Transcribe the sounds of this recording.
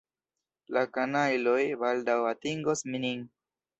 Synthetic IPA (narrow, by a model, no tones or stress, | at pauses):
lakanajlojbaldawatiŋɡosminiŋ